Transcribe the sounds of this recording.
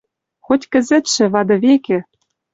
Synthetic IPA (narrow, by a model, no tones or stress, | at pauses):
xotʲkɘ̆zɘ̆t̪ʃɘ̆βɑd̪ɤ̆βekĕ